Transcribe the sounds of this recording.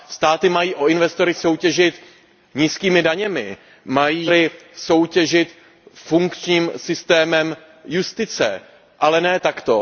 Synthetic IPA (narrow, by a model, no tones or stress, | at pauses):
st̪aːt̪ɪmajiːʔo̞ɪnvɛst̪o̞ɾɪso̞wcɛʒɪt̪ | ɲiːskiːmɪdaɲɛmɪ̰ | majiːɾɪso̞wcɛʒɪt̪ | fuŋkt͡ʃɲiːmsɪst̪ɛːmɛm | just̪ɪt͡sɛ̰ | ʔalɛnɛːt̪akt̪o̞